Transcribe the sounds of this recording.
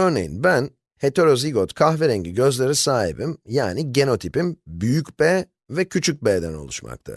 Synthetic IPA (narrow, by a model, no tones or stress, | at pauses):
øɾne̞̰jḭnbæn | he̞t̪ʰe̞ɾoziɡot̪kʰaxveɾɛɲɟiɟø̞zlʲeɾisaːɦḭbimjaːniɟe̞no̞t̪ʰipimbyjycb̥ɛ | vɛcʰyt͡ʃʰyc̚beːd̪æno̞̰lˠṵʃma̰k̚t̪ʰa̰